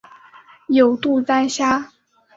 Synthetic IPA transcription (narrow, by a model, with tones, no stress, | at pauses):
jo˨˩ʊt̪u˥˩t͡sa˥nɕja˥